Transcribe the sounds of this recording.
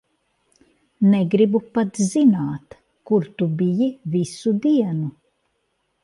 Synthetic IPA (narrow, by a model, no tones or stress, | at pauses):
nɛɡɾibupat̪zinaːt̪ | kuɾt̪ubijivisud̪iɛnu